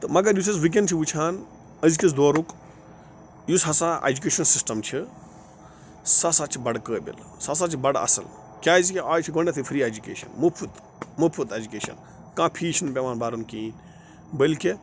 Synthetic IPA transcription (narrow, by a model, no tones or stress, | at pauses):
t̪ɨmɐɡɐɾjus̬ɐs̬ʋik̬enɖt͡ʃʰiʋut͡ʃʰaːn | əzikʲis̬d̪oːɾuk | jusɦɐsaːʔḛd͡ʒukʲeːʃɐnsisʈɐmt͡ʃʰi | sasaːt͡ʃʰibɐɽkəːbʲḭl | sɐs̬at͡ʃʰibɐɽɐ̰sɐ̰l | kʲaːəzikʲiaːt͡ʃʰiɡɐɳɖet̪ʰifʰɾiːed͡ʒukʲḛːʃɐ̰nmupʰut̪ | mɐpʰut̪ed͡ʒukʲeːʃɐ̰n | kãːpʰiːt͡ʃʰinpʲeʋaːnbaːɾunkiːnʲ | bəlki